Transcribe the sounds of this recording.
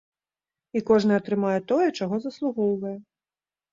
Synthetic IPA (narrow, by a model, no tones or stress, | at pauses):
ikɔʐnɨɐt̪ɾɨmajɛt̪ɔjɛt͡ʂaɣɔzɐslˠuɣɔwvɐjɛ